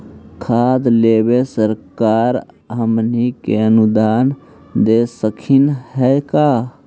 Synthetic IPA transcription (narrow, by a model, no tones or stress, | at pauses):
kʰaːd̪leːbesəɾkaːɾ | ɦəmnikeənʊd̪aːn | d̪esəkʰinɦɛkaː